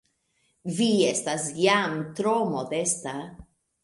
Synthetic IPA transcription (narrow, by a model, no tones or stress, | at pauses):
viestasjamt̪ɾomod̪esta